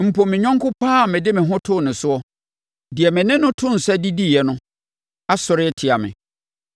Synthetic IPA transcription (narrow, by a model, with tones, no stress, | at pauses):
m̩˨pʰo˨mːɪ̃˨ɲᶣɔ̃˦ŋkʰʊ˦pʰaː˦˨mɪ̃˨dɪ˦mɪ̃˨ɦʊ̃˦tʰʊ˦˨nʊ̃˨sʊ˦ɔ˦ | di˨ɛ˨mɪ̃˨nɪ̃˦nʊ̃˦tʰʊ̃˦n̩˨sɛ˦di˦di˦˨jɛ˨nʊ̃˦ | a˦sʊ˨ɾɪ˦tʰɪ˨a˨mɪ̰̃˨